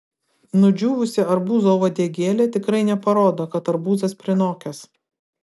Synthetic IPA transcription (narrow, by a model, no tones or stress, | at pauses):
nʊd͡ʒʲuːʋʊsʲɪɐɾbuːzoːʋɐd̪ʲiɛɡʲeːlʲɛːt̪ʲɪkɾɐɪnʲɛpɐɾoːd̪ɐkɐt̪ɐɾbuːzɐspʲɾʲɪnoːkʲɛs